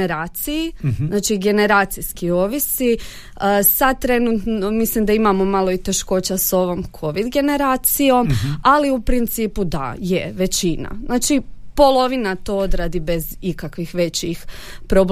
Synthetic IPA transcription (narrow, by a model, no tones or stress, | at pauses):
eɾaːt̪sijizznaːt͡ʃiɡe̞ne̞ɾaːt̪siskio̞ʋisi | sad̪̚t̪ːɾe̞nut̪nomislimd̪aimamo̞malˠo̞it̪e̞ʃko̞ːt͡ɕaso̞ʋo̞ːmkʰo̞ʋid̪ɡe̞ne̞ɾaːt̪sijo̞maliupɾint̪siːpud̪a̰jeʋe̞t͡ɕina̰znaːt͡ʃipo̞lˠo̞ʋinat̪o̞od̪ɾad̪ibe̞zikakʋixʋe̞t͡ɕixpɾob